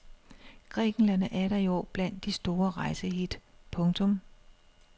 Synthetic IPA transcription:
ɡ̥ʁɛ̰ːɡ̥n̩læn̰æɾɐjo̰b̥læn̰d̥ːisd̥o̝ːɐʁɑ̈ɪsəɦid̥pʰɔ̽ŋt͡sʰɔ̽m

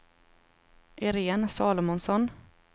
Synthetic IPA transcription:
ʔɛɾeːnsɑːlʊmʊnsɔn

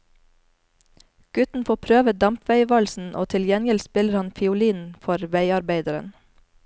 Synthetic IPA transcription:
ɡ̥ʉt̪n̩foːpʰɾøːʋəd̪ɑmpʰʋæɪʋɑlsn̩ʔoːt̪ʰɪljɛnjəlspɪləɾhɑnfɪʊliːnfɔɾʋæɪɑɾbeɪd̪əɾə̰n

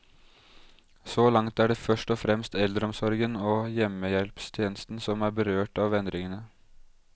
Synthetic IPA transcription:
solɑŋt̪æːɖɛːfœʂʈɔfɾɛmst̪ɛld̪ɾəɔmsɔɾɡənoːjɛmːəjɛlpst̪ʰjeːnəst̪n̩sɔmæːɾbəɾøːʈɑːʋɛnd̪ɾɪŋənə

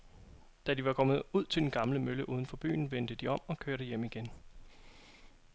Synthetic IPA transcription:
d̥æd̥iʋɑ̈kʰɒ̽mð̩ˠuð̞̰ˠt͡sʰeld̥en̩ɡ̥ɑ̈mləmøləʔuːðˠən̩fɒ̽b̥y̰ːn̩ʋend̥əd̥iɒ̽m̰ɒ̽kʰøɐɾəjem̰iɡ̥en

